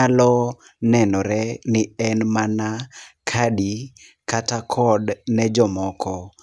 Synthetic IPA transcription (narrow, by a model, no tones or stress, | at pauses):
alɔ | nɛnɔɾɛnɪɛnmanakʰadi | katakʰɔdnɛd͡ʒɔmɔkʰɔ